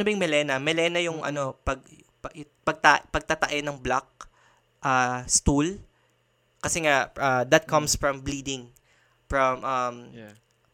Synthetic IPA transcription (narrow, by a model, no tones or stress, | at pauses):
ɐbɐjʊŋmɛlɛnɐmɛlɛnɐjʊŋʔɐ̰no̞pɐɡ̚ | pɐ | pɐɡ̚t̪apɐɡ̚t̪ɐt̪ɐʔɛnɐŋblak̚ | ʔaːst̪ul | kɐsɛŋaʔɐd̪ɐt̪̚kʰɐmsfɹɐ̃mbliːd̪ɪŋ | fɹɐmʔɐm